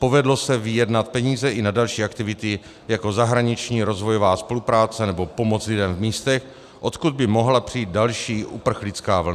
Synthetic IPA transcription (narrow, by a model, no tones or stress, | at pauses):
po̞vɛdlo̞sɛvɪjɛdnat̪̚pɛɲiːzɛʔɪnadalʃiːʔakt̪ɪvɪt̪ɪ | jako̞zaɦɾaɲɪt͡ʃɲiːɾo̞zvo̞jovaːspo̞lupɾaːt͡sɛnɛbo̞po̞mo̞t͡slɪdɛmvmiːst̪ɛx | ʔo̞t̪kud̪̚bɪmo̞ɦlapr̝̥ijiːt̪̚dalʃiːʔupr̩xlɪt͡skaːvl̩na